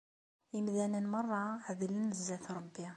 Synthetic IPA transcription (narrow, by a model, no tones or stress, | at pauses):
imðænənmɑrˤːɑʕəðələnːəzːæθɾˤəbːja